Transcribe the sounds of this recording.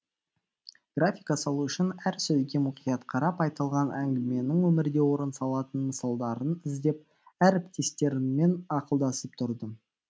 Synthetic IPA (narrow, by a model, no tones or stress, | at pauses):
ɡ̥rafʲijkɑsɑlˠuʏʃɪnæɾsɵzɡʲe̞mʊqijɑt̪qʰɑɾɑpɑjt̪ɑlˠʁɑnʔæŋɡʲɪme̞nɪŋwɵmɪɾd̪e̞wo̞ɾənsɑlˠɑt̪ənməsɑlˠd̪ɑɾənɪzd̪e̞p̚ | æɾɪp̚t̪ʰe̞st̪e̞ɾɪme̞nɑqəlˠd̪ɑsəp̚t̪ʰʊɾd̪ə